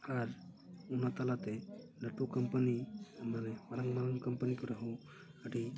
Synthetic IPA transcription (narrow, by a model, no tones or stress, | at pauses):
aɾ | unat̪alat̪ɛ | naʈukampanimanɛmaɾaŋmaɾaŋkampənikɔɾaɦu | əʈi